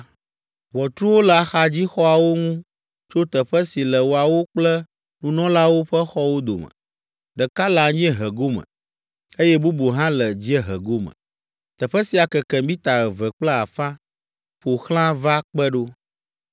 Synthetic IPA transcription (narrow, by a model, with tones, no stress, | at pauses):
wɔ˨t̪ɾu˦wo˦la˨xa˨d͡ʑi˦xɔ˦a˨wo˦ŋũ˦ | t͡ʃo˦t̪ə˨ɸɛ˦si˨lɛ˨wo˨a˨wo˦k͡plɛ˦ | nũ˨nɔ̃˦la˦wo˦ɸə˦xɔ˦wo˦d̪o̰˨mə̰̃˨ | ɖə˨ka˦la˨ɲĩ˦ɛ˦ɦə˨ɡo˦mə̰̃˨ | e˦jɛ˦bu˦bo˨ɦã˦lə˨d͡ʑi˦e˦ɦə̰˨ɡo˦mə̰̃˨ | t̪ɛ˨ɸɛ˦si˨a˨kɛ˨kɛ˨mĩ˦t̪a˨ɣɛ˨vɛ˨k͡plə˦a˨fã˦ | ɸo˨xl̃ã˦va˦k͡pɛ˦ɖo˦